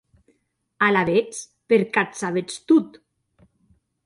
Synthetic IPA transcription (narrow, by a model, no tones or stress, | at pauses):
alaβet͡s | peɾkat̪saβet͡st̪ut̪